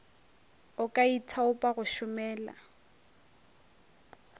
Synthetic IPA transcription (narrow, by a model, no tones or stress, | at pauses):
ʊkʼaitʰaʊpʼaɣʊʃʊmɛːla̰